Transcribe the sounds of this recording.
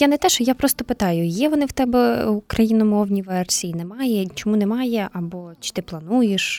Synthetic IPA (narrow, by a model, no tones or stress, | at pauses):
janɛt̪ɛʃɔjapɾɔst̪ɔpɪt̪ɑjʊjɛʋɔnɪwt̪ɛbɛʊkɾʔɐjinɔmɔwnʲiʋɛrsʲiinɛmɑjɛt͡ʃɔmunɛmɑjɛɐbɔt͡ʃɪ̥t̪ɪplˠɐnujeʃ